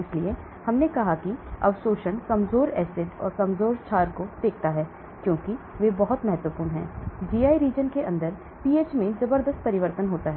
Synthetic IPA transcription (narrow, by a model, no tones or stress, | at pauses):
ɪslie | hɐmnekɐɦakiɐ̰ʋsoːʃənkɐmzoːɾɛːsɪd̪ɔ̰ːɾkɐmzoːɾt͡ʃʰaːɾkod̪eːk̚ʰt̪aɦɛː | kjõːki | ʋebɐɦʊt̪mɛɦɛt̪ʋəpuːnɦɛ̰̃ːd͡ʒiːaːiɾiːd͡ʒənkeʔɐ̃nd̪əɾ | piːeːt͡ʃmẽzɐbəɾd̪əst̪̚pɐɾɪʋəɾt̪ənɦoːt̪aɦɛ